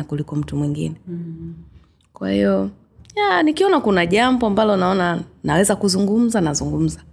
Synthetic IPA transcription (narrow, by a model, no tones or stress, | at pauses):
akulikɔm̩tumwiŋɡḭnɛ | kwa̰hḭɔ | janikiɔnakunaʄambɔambalɔnaɔnanawɛzakuzuŋɡum̩zanazuŋɡum̩za